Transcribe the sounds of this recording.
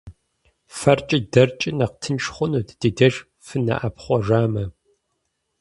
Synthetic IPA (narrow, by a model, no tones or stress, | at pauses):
fɐrt͡ʃʼɪdɐrt͡ʃʼɪnɐqtʰɨnʃχʷʊnuːtd̥idɐʒ | fɨnɐ̰ʔɐpχʷɔʒaːmɐ